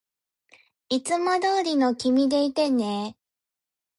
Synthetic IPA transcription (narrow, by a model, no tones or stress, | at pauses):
it͡sɨmad̪oːɾʲino̞kʲimʲid̪e̞it̪e̞ne